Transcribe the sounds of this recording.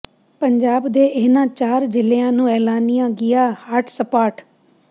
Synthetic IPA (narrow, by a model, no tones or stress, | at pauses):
pəɲd͡ʒaːbd̪eːʔɪɦnãːt͡ʃaːɾd͡ʒɪleãːnũːɛːlaːnɪjãːɡɪjaːhaːʈʰsəpaːʈ